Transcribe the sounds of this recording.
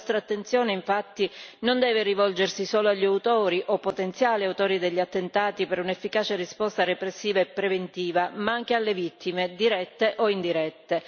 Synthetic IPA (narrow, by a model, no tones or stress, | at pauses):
st̪ɾat̪ːent̪sjoːneiɱfat̪ːinond̪ɛːverivɔld͡ʒersisoːloaʎːiaut̪oːɾiʔopːot̪ent̪sjaːliawt̪oːɾid̪eʎːat̪ːent̪aːt̪ipeɾunefːikaːt͡ʃerispɔst̪arepɾesːiːvaepːɾevent̪iːvamaaŋk̟ealːevit̪ːimed̪iɾɛt̪ːeʔoind̪iɾɛt̪ːe